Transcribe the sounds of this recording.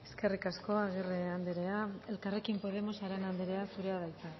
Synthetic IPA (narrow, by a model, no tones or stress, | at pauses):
e̞̥ske̞rikasko̞aɣ̞ireand̪eɾeae̞lkarekimpo̞ð̞e̞mo̞saɾenand̪eɾe̞asuɾe̞aðajt͡s̪e